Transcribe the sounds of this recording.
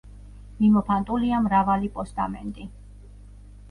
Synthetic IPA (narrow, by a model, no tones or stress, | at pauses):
mimɔpʰant̪ʼuliamɾavalipʼɔst̪ʼamɛnt̪ʼi